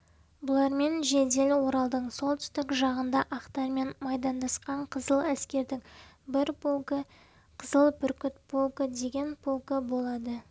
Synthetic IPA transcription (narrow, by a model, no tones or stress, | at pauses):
bʊlˠɑɾme̞nʒe̞d̪e̞lwo̞ɾɑlˠd̪əɴso̞lˠt̪ʏ̥st̪ɪkʒɑʁənd̪ɑʔɑqt̪ɑɾme̞nmɑjd̪ɑnd̪ɑsqɑɴqʰəzəlˠæskʲe̞ɾd̪ɪŋ | bɪɾpə | qʰəzəlˠpʰʏɾkʲʏt̪pʰolˠkəd̪e̞ɡʲe̞npʰolˠkəbo̞lˠɑd̪ə